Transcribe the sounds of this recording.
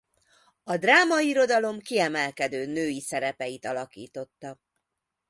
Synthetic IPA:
ɒd̪raːmɒiɾo̞d̪ɒlo̞mkiɛmɛlkɛd̪øːnøːjisɛɾɛpɛjit̪ɒlɒkḭːt̪o̞t̪ːɒ

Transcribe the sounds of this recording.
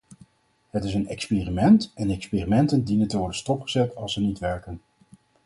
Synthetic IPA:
ɦətɪsənɛkspiːrimɛntɛndɛkspiːrimɛntəndinəntəʋɔɹdənstɔpχəzɛtɑlˠsənitʋɛɹkən

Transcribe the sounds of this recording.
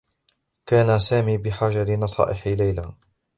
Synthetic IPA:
kaːnasaːmiːbɪħaːd͡ʒaɾɪnɑsˤɑ̰ːʔɪħilajla

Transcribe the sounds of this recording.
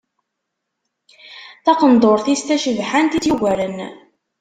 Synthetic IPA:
θɑqənd̪ˤoɾˤθist̪æʃəvħant̪iθjiɣæɾən

